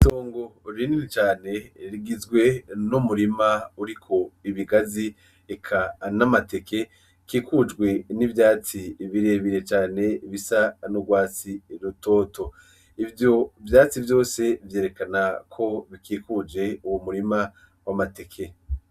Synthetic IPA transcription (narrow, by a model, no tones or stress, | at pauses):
toːŋɡo̞ɾininit͡ʃaːne̞ɾiɡizɡwe̞numuɾimauɾikʰo̞iβiɡazi | ekʰanamate̞kʰe̞ | kiːkud͡ʒɡwe̞nivjaːt͡siβiɾe̞βiɾe̞t͡ʃaːne̞βisanoɡwaːt͡siɾuto̞ːto̞ | ivjo̞vjaːt͡sivjo̞ːse̞vje̞ːɾe̞kanakʰo̞βikiːkud͡ʒe̞uwomuɾima | wamate̞kʰe̞